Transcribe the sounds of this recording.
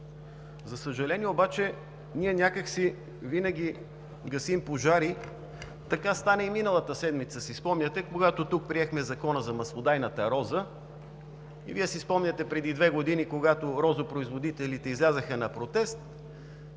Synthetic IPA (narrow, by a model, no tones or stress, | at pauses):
zɐsəʒɐlɛniɛobat͡ʃɛ | niɛnʲakəksi | vinəɡ̟i | ɡɐsimpoʒaɾi | t̪ɐkast̪anɛiminəlˠət̪əsɛd̪mit̪səsispɔmnʲɐt̪ɛkoɡat̪ot̪uk̚pɾiɛxmɛzɐkɔnəzɐmɐslˠod̪ajnət̪ɐɾɔzə | ḭviɛsispɔmnʲɐt̪ɛpɾɛd̪id̪vɛɡod̪inikoɡat̪oɾɔzopɾoizvod̪it̪ɛlit̪ɛizlʲazəxənɐpɾot̪ɛst̪